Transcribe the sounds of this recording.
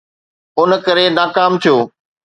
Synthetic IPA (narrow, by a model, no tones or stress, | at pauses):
ʊn̆kɐɾenaːkaːmt̪ʰijoː